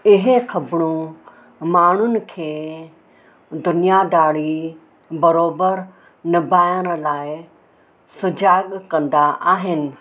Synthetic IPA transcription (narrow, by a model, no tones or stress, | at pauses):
ɪɦ̆xɐbɽ̃ũ | maːɳ̤ʊnɪ̆kʰeː | d̪ʊnijad̪aːɽ̤i | bɐɾoːbəɾ | nɪbʱaːjəɽ̃laːɪ | sʊd͡ʑaːɠkɐ̃nd̪aʔaːɦɪnɪ̆